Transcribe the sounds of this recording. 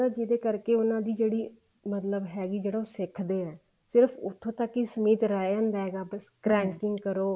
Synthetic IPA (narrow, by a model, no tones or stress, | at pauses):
ad͡ʒɪd̪eːkəɾkeːʊnãːd̪iːd͡ʒeːɽiː | mət̪ləbɦɛːɡiːd͡ʒeːɽaːoːsɪkʰd̪eːɛː | sɪɾəpʰʊ̰t̪ʰːõːt̪əkːisəmiːt̪ɾaːeãːnd̪aːɦɛːɡaːbəskɾɛːŋkɪŋɡkəɾoː